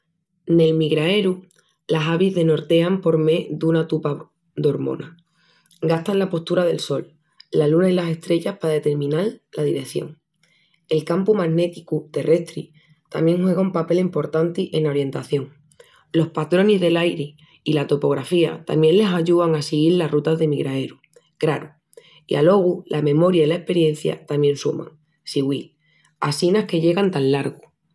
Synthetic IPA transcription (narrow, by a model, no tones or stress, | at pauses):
ne̞lmiɣɾae̞ɾu | lasaβizðe̞no̞ɾt̪e̞ampo̞ɾme̞d̪unat̪upa | d̪o̞ɾmo̞̰na | ɡast̪anlapo̞st̪uɾaðe̞lso̞lː | alunailase̞st̪ɾe̞ʝahpaðe̞t̪e̞ɾmĩnallaðiɾe̞θjo̞̰ŋ | e̞lkampumaɣne̞t̪ikut̪e̞re̞st̪ɾi | t̪a̰mje̞ŋxwe̞ɣ̞aumpape̞limpo̞ɾt̪ant̪iʔe̞naoɾje̞nt̪aθjo̞ŋ | lo̞hpat̪ɾo̞nizðe̞lajɾe | ilat̪o̞po̞ɣ̞ɾafia̰t̪a̰mje̞nle̞saʝuðaŋasiɣ̞iɾlarrut̪azðe̞miɣɾae̞ɾu | ɡ̥ɾaɾu | ḭa̰lo̞ɣ̞ulʔamẽ̞mo̞ɾjailaehpe̞ɾje̞n̟θja̰t̪amjẽ̞nsumã̰ŋ | siɣwil | asinahke̞ʎe̞ɣant̪anlaɾɣu